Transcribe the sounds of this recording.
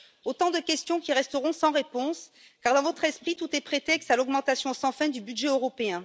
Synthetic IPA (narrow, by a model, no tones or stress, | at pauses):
ot̪ɑ̃d̪əkʲɛst̪jɔ̃kʲiʁɛst̪əʁɔ̃sɑ̃ʁepɔ̃s | kaʁd̪ɑ̃vɔt̪χɛspχit̪ut̪ɛpχet̪ɛksalɔɡmɑ̃t̪asjɔ̃sɑ̃fɛ̃d̪ybyd̪ʒɛøʁɔpeɛ̃